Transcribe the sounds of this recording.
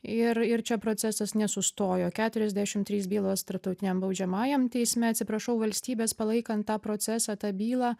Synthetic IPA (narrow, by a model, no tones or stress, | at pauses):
ɪɾɪɾt͡ʃʲɛpɾoːt̪t͡ssʲæsɐsnʲɛsʊst̪oːjoːkʲæːt̪ʊɾʲɛzʲd̪ʲæʃʲɪmt̪ʲɾʲiːsbʲiːlˠoːst̪ɐɾp̚t̪ɐʊt̪ʲɪnʲɛmbɐʊd͡ʒʲɛmɑːjɛmt̪ʲɛɪsʲmʲɛɐtʲsʲɪpɾɐʃɐʊʋɐlʲsʲt̪ʲiːbʲeːspɐlˠɐɪkɐnt̪̚tɑːpɾoːt͡s̪ʲæsɑːt̪ɑːbʲiːlˠɑː